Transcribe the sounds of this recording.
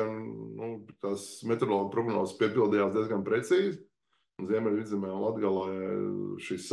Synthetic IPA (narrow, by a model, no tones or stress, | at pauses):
nnupt̪asmɛt̪ɾolˠɔːɡ̚pɾɔɡɾanɔ̰ːspiɛpilˠd̪ijaːsd̪iɛzɡanpɾɛt̪siːz | unziɛmɛlʲid̪zɛmɛːulˠad̪ɡalˠaː | ʃisː